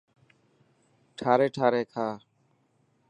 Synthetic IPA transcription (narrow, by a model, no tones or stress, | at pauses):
ʈʰaːɾeːʈʰaːɾeːkʰaː